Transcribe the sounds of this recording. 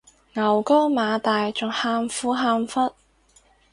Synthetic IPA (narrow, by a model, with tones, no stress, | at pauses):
ŋɐ˨˩wko˥wmaː˨˧t̪aː˨jt͡ʃʊ˨ŋhaː˧mfuː˨˥ɦaː˧mfɐ˥t̚